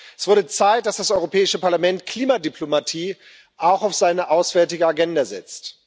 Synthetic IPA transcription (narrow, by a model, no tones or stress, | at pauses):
ɛsv̥ʊɐdət͡saɪt̚d̥asd̥asʔɔʏʁopʰɛːɪʃəpaɐlamɛntkʰl̥iːmadyplomatʰiː | ʔaʊxaʊfz̥aɪnəʔaʊsv̥ɛɐtɪɡəaɡɛndazɛ̰t͡st